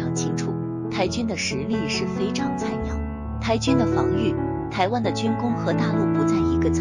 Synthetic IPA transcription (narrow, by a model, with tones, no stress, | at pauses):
ɑ˥˩t͡ɕʰi˥ŋʈ͡ʂʰṵ˥˩ | t̪ʰa˧˥ɪt͡ɕy˥nd̪ə˨ʂɻ̩˧˥li˥˧ʂɻ̩˥˩fe˥ɪʈ͡ʂɑ˥ŋt͡sʰa˥˩ɪnɑ˥˩ŋ | t̪ʰa˧˥ɪt͡ɕy˥nd̪ə˨fɑ˧˥ŋy˥˩ | t̪ʰa˧˥ɪwa˥nd̪ə˨t͡ɕy˥nkʊ˥ŋxɤ˧˥t̪a˥˧lu˥˩pu˧˥t͡sa˥˩ɪi˧˥ɡə˧t͡sʰ